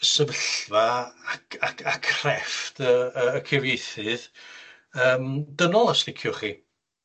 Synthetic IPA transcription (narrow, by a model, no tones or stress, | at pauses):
səvəɬvaakʰakʰakʰrɛftʰəəːkʰɪvjejθɨð | əːmdənɔlˠəstɪkʰjʊχi